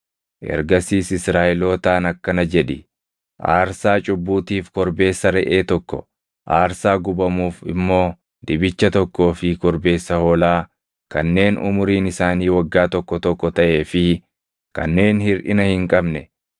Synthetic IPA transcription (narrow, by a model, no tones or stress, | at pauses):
ʔɛ̰ɾɡɐsiːsɪsɾaːʔɛlo̞ːt̪aːnɐkːɐnɐd͡ʒɛᶑɪ | ʔa̰ːɾsaːt͡ʃʼʊbːuːt̪iːfkɔɾbe̞ːsːɐɾɛʔeːt̪ɔkːɔ̰ | ʔaːɾsaːɡʊbɐmuːfɪ̰mːo̞ː | d̪ɪbɪt͡ʃːɐt̪ɔkːo̞ːfɪkɔɾbe̞ːsːɐhoːlaː | kɐnːe̞ːnʊ̰mʊɾiːnɪsaːniːwɐɡːaːt̪ɔkːɔt̪ɔkːɔt̪ɐʔe̞ːfɪ | kɐ̰nːe̞ːnhɪɾʔɪnɐhɪŋkʼɐbnɛ